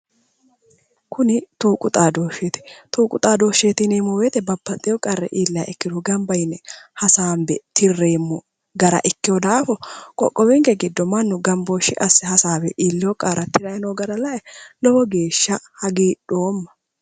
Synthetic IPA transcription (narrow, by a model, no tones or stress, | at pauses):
kʊnɪt̪uːkʼʊt̪ʼaːd̪oːʃet̪ɪ̥t̪uːkʼʊt̪ʼaːd̪oːʃet̪ɪneːmɔwet̪ɛbɐbːɐt̪ʼːɪjɔkʼɐrːɛ̰ʔiːlːɪja̰ʔɛkːɪd̪ʊɡɐmbɐjɪnɛhɐsaːmbɛt̪ʰɪrːeːmːɔ | ɡɐɾɐ̰ʔɪkːɪjod̪aːfɔkʼɔ̰kʼːɔwɪŋkɛɡɪd̪ːɔmɐnːʊɡɐmbo̞ːʃːɪʔɐsːɪhɐsaːbɛʔiːlːɪjɔkʼaːɾɐt̪ɪɾɐjnoːɡɐɾɐlɐʔɛlɔwɔɡe̞ːʃːɐhɐɡiːɗoːmːɐ̥